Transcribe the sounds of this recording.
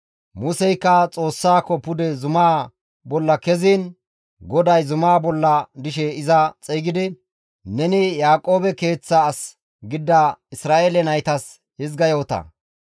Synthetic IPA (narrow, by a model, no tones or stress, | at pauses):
mʊsɛjkːɐt͡sʼo̞ːsːaːkːɔpʊd̪ɛzʊmaː | bɔlːɐkɛziːn | ɡɔd̪ɐjzʊmaːbɔlːɐd̪ɪʃɛɪzɐt͡sʼɛːɡɪd̪ɪ | nɛnɪjaːkʼo̞ːbɛke̞ːt͡sːɐːs | ɡɪd̪ːɐɪsɾaːʔeːlɛnɐjt̪ɐs | hɪzɡɐjo̞ːt̪ɐ̰